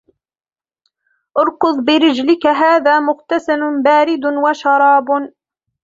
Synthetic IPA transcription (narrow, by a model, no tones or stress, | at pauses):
ʔʊɾˤkʊðˤbɪɾɪd͡ʒlɪkaɦaːðaːmʊqt̪asanʊbaːɾɪd̪waʃɑɾˤɑːb